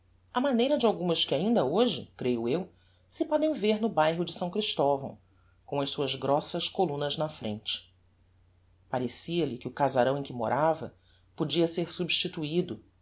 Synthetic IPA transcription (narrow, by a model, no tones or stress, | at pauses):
ɐmanejɾɐd͡ʒɪawɡũmɐʃkɪaĩnd̪ɐoʒɪ̰kɾejʊew | sɪpɔd̪ẽj̃veɾnʊbajɦʊd͡ʒɪsɐ̃w̃kɾiʃt̪ɔvɐ̰̃w̃ | kõɐʃsuɐzɡɾɔsɐʃkolũnɐznɐfɾḛ̃nt͡ʃɪ̥ | paɾesiɐlɪkɪʊkazaɾɐ̃w̃ẽj̃kɪmo̰ɾʔavɐ̰ | pod͡ʒiɐseɾsubʃt͡ʃit̪uid̪ʊ